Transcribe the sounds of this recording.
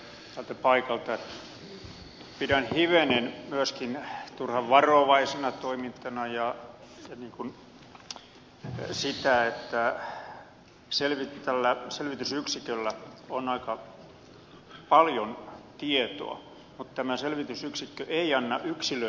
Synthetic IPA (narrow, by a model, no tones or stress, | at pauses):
t̪ælt̪æpɑikɑlt̪ɑet̪ | pidænhiʋenenmyæskint̪urhɑʋʋɑroʋɑisenɑt̪oimint̪ːˑɑnɑjɑ | jɑniːŋkun | sit̪æet̪ːæ | selʋitt̪ælːæselʋit̪ysyksikølːæonɑikɑ | pɑljont̪iet̪o̰ɑ̰ | mut̪t̪æmæselʋit̪ysyksikːøʔeiɑnːɑʔyksilø